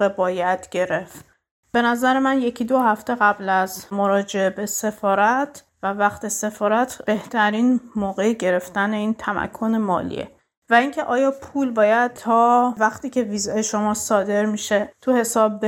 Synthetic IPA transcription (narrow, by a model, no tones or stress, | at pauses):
ebɒːjæd̪̥ɟ̥e̞ɾe̞ft̪ | b̥e̞næzæɾemænje̞cʰid̪o̞hæft̪e̞ɣæblæzmo̞ɾɒːd͡ʒe̞ebe̞se̞fɒːɾæt̪ʰ | vævæxt̪ʰe̞se̞fɒːɾæt̪ʰb̥e̞ht̪ʰæɾiːnmoːɣe̞eɟe̞ɾe̞ft̪æne̞iːnt̪ʰæmæ̰kʰːo̞nemɒ̰ːlḭḛ | væiŋcʰe̞ʔɒːjɒːpʰuːlbɒːjæd̪̚t̪ʰɒːvæxt̪iːcʰe̞viːzɒjeʃo̞mɒːsɒːd̪e̞ɾmiʃe̞t̪ʰuhe̞sɒːbːe